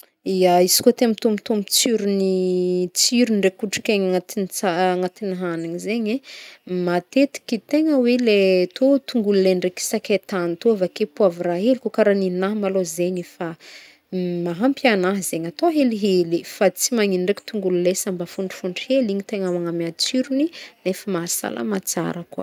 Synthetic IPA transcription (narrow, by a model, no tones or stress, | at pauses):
iaizi̥kot̪eamit̪omit̪omit͡siɾunit͡siɾunɖ͡ʐekuʈ͡ʂi̥kʲeɲat̪init͡saŋat̪iniɦanaɲizeɲemat̪et̪i̥kʲit̪eŋəwelet̪ot̪uŋɡulileɳɖ͡ʐeki̥sakʲet̪anit̪oavakepuaviraɦelikokaɾaninaɦmalozeɲifa | maɦampjanaɦzeɲat̪oɦeliɦelifat͡simaŋinɳɖ͡ʐeki̥t̪uŋɡululesambafuɳɖ͡ʐi̥fuɳɖ͡ʐiheliɲit̪eŋamaŋamiat͡siɾuninefəmasa̰la̰mat͡sa̰ɾakwə̰